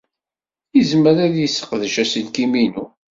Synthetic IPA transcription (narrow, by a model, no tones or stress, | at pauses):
izməɾæðjəsːə̥qðəʃæsəlkiminu